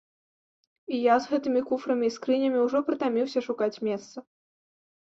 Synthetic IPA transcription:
ijazɣɛt̪ɨmʲikufɾɐmʲiːskɾɨnʲɐmʲiuwʐɔpɾɨt̪amʲiwsʲɐʂukat͡sʲmʲɛst̪sɐ

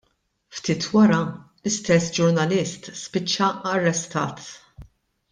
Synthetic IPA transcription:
ft̪iːt̪wɐɾɐ | lɪst̪ɛsːd͡ʒʊɾnɐlɪst̪spɪt͡ʃːɐɐrːɛst̪ɐ̰ːt̪

